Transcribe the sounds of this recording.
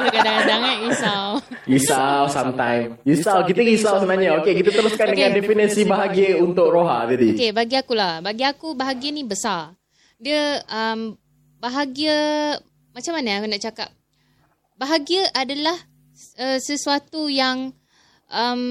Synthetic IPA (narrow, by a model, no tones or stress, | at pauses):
kadaadaŋaɡisaw | ɡisawsamt̪ajmɡisawk̬it̪əɡisawsənaɲaokekit̪at̪əɾuskandəŋãndefinəsibaɦaɡəunt̪ʊk̚ɾoɦa̰d͡ʒadikebaaɡiakulahbaɡiakubaɦaɡiənibəsar | diəʔəm | baɦaɡiə | mat͡ʃamanəakunaʔt͡ʃaka̰p̚ | baɦaɡiəʔadalah | əsəsuat̪ujaŋ | ʔəm